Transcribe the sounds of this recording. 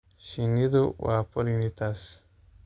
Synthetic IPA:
ʃiŋid̪uwapəɾinit̪as

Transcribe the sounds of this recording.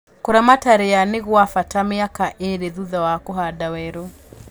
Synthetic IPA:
kuɾamataɾijanɪɣwafatamiakaʔeɾɛðuðawakɔɦadawɛɾɔ

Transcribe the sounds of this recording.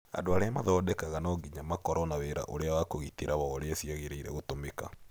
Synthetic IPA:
a̰ndoaɾeamaðɔːdɛkaɣanɔɡiɲamakɔɾɔnawɛɾa̰ʔoɾeawakoɣiteɾʔaβɔːɾeasiaɣeɾeiɾɛ̰ɣotomeka̰

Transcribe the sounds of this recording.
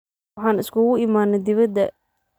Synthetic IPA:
ħɑːnɪskʰʊɣʊɪmaːnɛd̪ɪβɐd̪ːɐ

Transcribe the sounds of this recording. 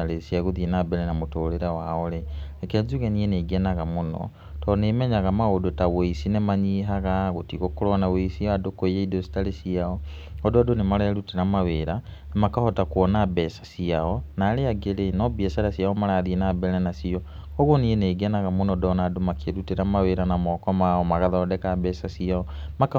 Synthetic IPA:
aɾesiaɣoðienabɛɾɛnamotoɾeɾawaɔɾeɛkɛzuɣɛnieneɡɛnaɣamonɔ̰ | tɔnemɛɲaɣamaodotaweisinemaɲiɦaɣaɣotiɣokoɾɔnaweisiadokoijeidosi̥taɾesiaɔɔdɔdonemaɾaaɾuteɾamaweɾa | nemakahɔtakwɔnabɛsḁsiaɔnaːɾeaɡeɾenɔbiɛsaɾasiaɔmaɾaðienabɛnanasiɔ | ɔɣonieneːɡɛnaɣamonɔdɔnadomakʰeɾuteɾamaweɾanamɔkɔmaɔmaɣaðaɔdɛkabɛsasiaɔ | mak

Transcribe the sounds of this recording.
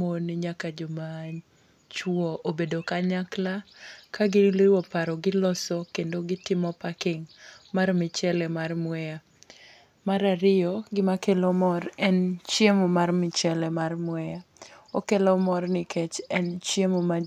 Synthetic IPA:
monɪɲakad͡ʒoma | t͡ʃwɔʔobedokaɲaklakaɡɪlɪwɔpaɾɔɡɪlɔsɔkendoɡɪtɪmɔpakɪŋmarmɪt͡ʃɛlɛmarmwɛja | maɾaɾɪjɔɡɪmakelomɔrɛnt͡ʃjemomarmɪt͡ʃɛlɛmarmwɛja | okelɔmɔrnɪkɛt͡ʃɛnt͡ʃjemoma

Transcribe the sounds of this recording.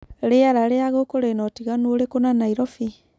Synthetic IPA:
ɾeaɾaɾeaɣokoɾenɔtiɣanuoɾekonanaiɾɔfi

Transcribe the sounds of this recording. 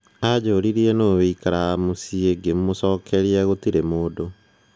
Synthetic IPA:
ad͡ʑoːɾiɾiɛnoːweikaɾamosieɡem̩mosɔːkʰɛɾiaɣotiɾemoːdo

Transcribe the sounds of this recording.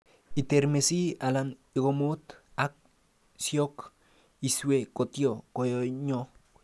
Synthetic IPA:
it̪eɾmesialaniɡomut̪ak̚ | sjok | iswekot̪jokojoɲo

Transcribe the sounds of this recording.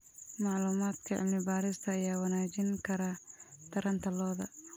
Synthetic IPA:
mɑʕluːmaːd̪kʰɐʕɪ̰bnɪbaːɾɪst̪ʰɐːjaːwɐnaːt͡ʃɪŋkʰɐɾɐt̪ʰɐɾɐnt̪ʰɐlɔːðɐ

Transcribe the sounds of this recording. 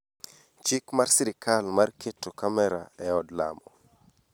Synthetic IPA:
t͡ʃɪkmarsiɾɪkʰalmarketːokamɛɾa̰ɛɔdla̰mɔ

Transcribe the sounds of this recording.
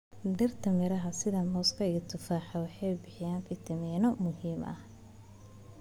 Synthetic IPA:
ɖɐrt̪ʰɐmɪɾɐɦɐsɪðɐmɔːskʰɐɪɣɐt̪ʰʊfaːħɑwɑħɑjbɪħɪjaːŋfʰɪt̪ʰɪmɛːnɔmʊhiːmʔɐ̰h

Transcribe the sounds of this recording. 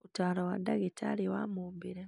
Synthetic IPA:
utaːlawadaɡetʰaliwamubiɾe

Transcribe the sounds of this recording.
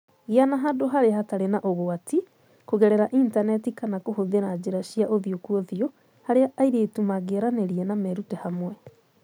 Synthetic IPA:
ɣianaɦadoɦaɾeahataɾenaʔoɣoati | koɣɛɾɛɾaʔintanɛtikanakohoðeɾad͡ʑeɾaʃiaʔoðiokuɔðio | haɾeaʔːiɾeːtumaɡeɾaneɾiɛnamɛɾutɛhamwɛ

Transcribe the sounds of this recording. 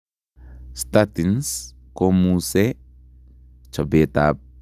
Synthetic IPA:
st̪at̪ins | komuse | t͡ʃabet̪a̰p̚

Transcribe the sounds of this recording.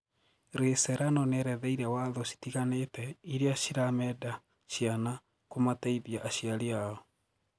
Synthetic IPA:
ɾesɛɾanɔnɛɾɛðɛiɾɛwaðɔɕi̥tiɣanetɛiɾeaʃiɾamɛda | ʃijana | komataiðiaʔːɕiaɾiaɔ

